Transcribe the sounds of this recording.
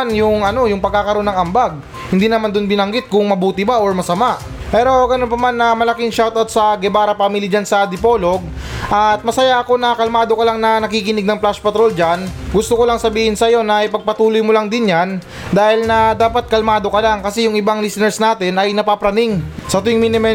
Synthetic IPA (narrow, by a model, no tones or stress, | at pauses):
njʊŋɐno̞jʊŋpɐɡ̚kakɐɾo̞nːɐŋɐmbaɡ̚ | hɪnd̪iːnɐmand̪onbɪnɐŋɡɪt̪̚kʊŋmɐbuːt̪ɪbaʔoɹmɐsɐmaʔ | pɛːɾo̞ɡɐnonpɐmanːɐmɐlɐkɪŋʃawt̪ɐt̪̚sɐɡɛbaːɾɐpamilid͡ʒansɐd̪ɪpo̞ːlo̞ɡ̚ | ʔɐt̪̚mɐsɐjaʔɐko̞nɐkɐlmaːd̪o̞kɐlaŋnɐnɐkiːkɪnɪɡ̚nɐŋplaʃpɐt̪ɾo̞ld͡ʒanɡʊst̪oko̞lɐŋsɐbiːhɪnsɐjo̞nɐɪpɐɡ̚pɐt̪uːlʊjmʊlɐŋd̪ɪnjan | d̪aːhɪlnɐd̪aːpɐt̪̚kɐlmaːd̪o̞kɐlaŋkɐsɛjʊŋʔɪbaŋlisɪnɛɹsnaːt̪ɪnɐjnɐpapɾɐnɪŋsɐt̪ʊjŋminɪmɛ